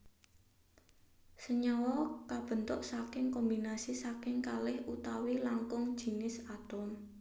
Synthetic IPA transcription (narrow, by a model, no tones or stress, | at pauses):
səɲɔwɔkab̥ə̤nt̪ʊʔsakɪŋkɔmbinasisakɪŋkalɪhut̪awilaŋkʊŋd̥ʒ̥i̤nɪsat̪ɔm